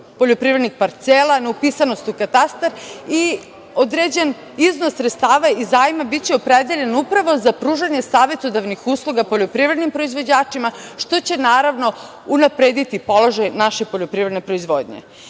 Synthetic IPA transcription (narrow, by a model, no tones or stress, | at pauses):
po̞ʎo̞pɾivɾed̪nixpaɾt̪selaneupisano̞st̪ukat̪ast̪aɾi | od̪ɾed͡ʑe̞n | iznossɾet̪st̪aːʋaizaːjimabit̪t͡ɕeopɾed̪eʎe̞nupɾaʋo̞zapɾuːʒaɲe̞saːʋe̞t̪od̪aʋnixuːslˠuɡapo̞ʎopɾivɾe̞d̪nimpɾo̞izʋo̞d͡ʑaːt͡ʂimaʃt̪o̞t͡ɕe̞naːɾaʋno̞ | unapɾed̪it̪ipo̞lo̞ʒajnaʃe̞poʎopɾivɾed̪nepɾoizʋoːd̪ɲḛ